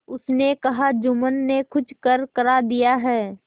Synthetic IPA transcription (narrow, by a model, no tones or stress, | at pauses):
ʊsnekɐɦad͡ʒʊmənːekʰʊt͡ʃʰkəɾkɐɾad̪ijaɦɛː